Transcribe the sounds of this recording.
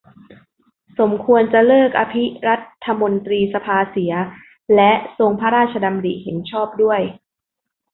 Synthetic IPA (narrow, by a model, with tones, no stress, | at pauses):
so˩˦mkʰu˧ənt͡ɕa˨˩lɤː˥˩k̚ʔa˧pʰi˦˥ɾa˦˥t̪ʰːa˧mo˧nt̪ɾiː˧sa˧pʰaː˧si˩˦ɐ | lɛ˦˥ʔso˧ŋpʰa˦˥ɾaː˥˩t̪̚t͡ɕʰa˧da˧mdḭ˨˩ʔhe˩˦nt͡ɕʰɔː˥˩p̚du˥˩əj